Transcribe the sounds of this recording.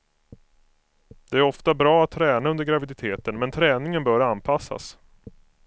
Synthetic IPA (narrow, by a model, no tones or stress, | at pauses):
d̪̥ɛæɾɔft̪abɾɑːat̪ʰːɾɛːnaɵnd̪əɾɡɾavɪd̪ɪt̪ʰeːt̪ənmɛnt̪ʰɾɛːnɪŋənbœːɾanpʰasːa̰s